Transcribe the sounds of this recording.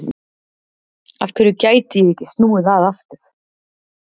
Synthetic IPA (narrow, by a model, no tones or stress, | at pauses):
afkʰvɛːɾʏcaːjt̪ɪjɛɛcɪst̪nuːɪðaðaft̪ʏɾ̥